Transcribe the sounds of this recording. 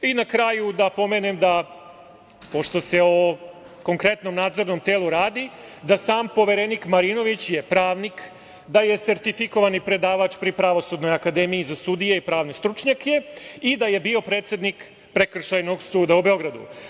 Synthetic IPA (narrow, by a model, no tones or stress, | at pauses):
inakɾaːjud̪apo̞me̞nemd̪a | po̞ʃt̪o̞se̞o | ko̞ŋkɾe̞t̪no̞mnaːd̪zo̞ɾno̞mt̪eːlˠuɾaːd̪i | d̪asaːmpo̞ʋeɾenikmaɾino̞ʋit͡ɕjepɾaːʋnik | d̪aje̞se̞ɾt̪ifiko̞ʋanipɾe̞d̪aːʋat͡ʃpɾipɾaʋo̞sud̪no̞jakad̪e̞mijizasud̪ijeipɾaːʋne̞st̪ɾut͡ʃɲake̞id̪aje̞bio̞pɾe̞ːt̪sje̞d̪nik | pɾekr̩ʃajno̞ɡsuːd̪aube̞o̞ɡɾad̪ṵ